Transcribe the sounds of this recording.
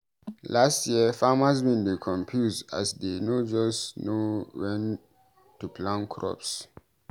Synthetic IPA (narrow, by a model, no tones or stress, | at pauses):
lastjiəfamazbĩnɹikʰɔ̃mpʰjusda̰sdenod͡ʒɔsnuwɛ̃n | tːupʰlãnkʰɹɔ̰ps